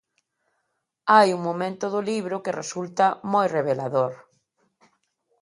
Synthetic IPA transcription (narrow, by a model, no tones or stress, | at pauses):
ajuŋmomẽnt̪ʊðʊliβ̞ɾʊkɪresult̪ɐmojreβelaðoɾ